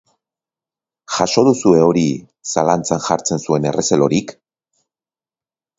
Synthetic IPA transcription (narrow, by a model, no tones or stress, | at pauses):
xaʃo̞ðusue̞o̞ɾi | salant͡sanʝaɾt͡se̞nsue̞ne̞rʔe̞selo̞ɾik